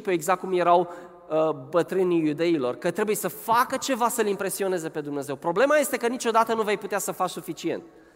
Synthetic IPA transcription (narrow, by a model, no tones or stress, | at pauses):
pueɡzak̚kːumje̞ɾaw | bət̪ɾɨnijud̪e̞ilo̞̰rkət̪ɾe̞bujesəfakət͡ʃe̞vasəlimpɾe̞sio̞ne̞ze̞pe̞d̪umne̞ze̞wpɾo̞ble̞maje̞st̪ekənit͡ʃo̞d̪at̪ənuvejput̪easəfaksufit͡ʃie̞̰nt̪